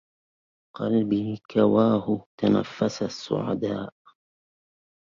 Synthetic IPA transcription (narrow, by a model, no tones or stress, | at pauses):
qɑlbiːkawaːhʊt̪ana̰fːasasːʊ̰ʕa̰d̪aːʔ